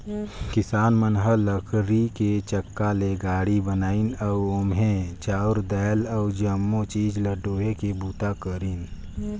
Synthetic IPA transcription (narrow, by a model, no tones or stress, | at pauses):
kɪsaːnmənɦələkʰɾiket͡ʃəkːaleɡaːɽibənaːinəuʊmɦẽt͡ʃaːʊɾd̪ɛːlɔːd͡ʒəmːot͡ʃiːd͡ʒləɖoːɦekebuːt̪akəɾin